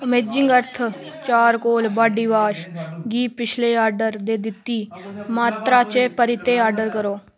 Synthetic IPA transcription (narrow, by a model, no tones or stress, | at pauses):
əmeːd͡ʒɪŋɡəɾt̪ʰ | t͡ʃaːɾkoːlbaːɖiːʋaːʃɡiːpɪt͡ʃʰleːaːɾɖəɾd̪eːd̪ɪt̪ːiːmaːt̪ɾaːt͡ʃepəɾɪt̪eːaːɾɖəɾkəɾoː